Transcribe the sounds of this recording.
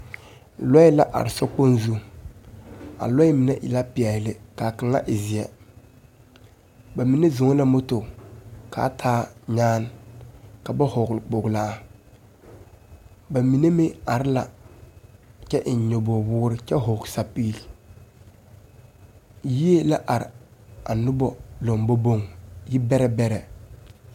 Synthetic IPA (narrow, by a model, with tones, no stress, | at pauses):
lɔ˦ɪ˦la˦ʔa̰˨ɾɪ˨sɔ˦k͡po˦nzu˦ | a̰˨lɔ˦ɪ˦mɪ˨nɛ̰˦ʔɪ̰˨la˦pɪ˨ɛ˨lɪ˨ka˨ka˨ŋa̰˦ʔɪ˨zɪ˨ɛ˨ | ba˨mi˨ne˦zʊ˨ŋ˦la˦mʊ˦tʊ˨kʰa̰˨˦tʰaː˦ɲaː˦n | ka˨ba˦hʊ˨ɡlɪ˨k͡pʊ˨ɡla˦a˨ | ba˨mi˨ne˦mɪ˦a˨ɾɪ˦la˨ | t͡ʃɛ˦ʔɪ˨ɲ˨ɲo˨bo˨wʊː˦ɾɪ˦t͡ʃɛ˦ɦʊ˨ksa˨pi˦˨l | ji˦e˦la˦ʔa˨ɾɪ̰˨a˨nʊ˦bɔ˦lɔ˨ŋbo˦bo˦ŋjɪ˦bɛ˦ɾɛ˦bɛ˦ɾɛ˨